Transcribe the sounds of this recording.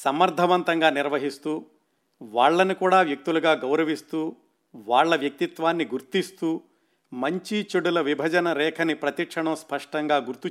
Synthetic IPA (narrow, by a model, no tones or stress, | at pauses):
sɐmːɐɾd̪ʱɐʋɐnt̪ɐŋɡaːniɾʋɐɦist̪uː | ʋaːɭːɐnukuːɽaːʋjɐk̚t̪uluɡaːɡɐwɾɐʋist̪uː | ʋaːɭːɐʋjɐk̚t̪it̪ʋaːnːiɡuɾt̪ist̪uː | mɐɲt͡ʃit͡ʃɐɽulɐʋibʱɐd͡ʒɐnɐɾɛːkʰɐnipɾɐt̪ikʂɐɳɐmspɐʂʈɐŋɡaːɡuɾt̪u